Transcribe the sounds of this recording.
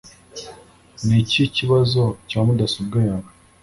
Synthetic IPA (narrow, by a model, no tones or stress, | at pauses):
niciciβazo̞caːmudasubɡajaβa